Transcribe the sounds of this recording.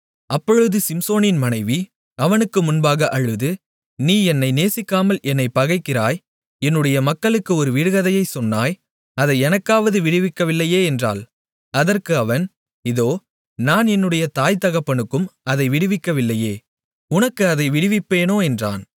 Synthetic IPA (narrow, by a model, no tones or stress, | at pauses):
ɐpːɔɻɯðɯsɪmsoːnɪnmɐnɐɪʋi | ɐʋɐnɯkːɯmʊnbaːɣɐʔɐɻɯðɯ | niːɛnːɐɪneːsɪkːaːmɐlʔɛnːɐɪpːɐɣɐɪkːɪraːj | ɛnːɯɽɐjɐmɐkːɐɭɯkːɯɔɾɯʋɪɽɯɣɐðɐjɐɪsɔnːaːj | ɐðɐɪɛnɐkːaːʋɐðɯʋɪɽɪʋɪkːɐʋɪlːɐjeːɛndra̰ːl | ɐðɐrkɯɐʋɐn | ɪðoː | naːnɛnːɯɽɐjɐt̪aːjt̪ɐɣɐpːɐɳɯkːɯmɐðɐɪʋɪɽɪʋɪkːɐʋɪlːɐjeː | ʊnɐkːɯɐðɐɪʋɪɽɪʋɪpːeːnoːɛndra̰ːn